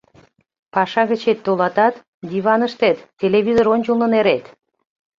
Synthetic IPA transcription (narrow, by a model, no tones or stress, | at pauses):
pɑʃɑɣə̆t͡ɕet̪ːolɑt̪ɑt̪ | d̪ʲiβɑnəʃt̪et̪tʲːeleβʲizoɾonʲt͡ɕulˠnə̆neɾet̪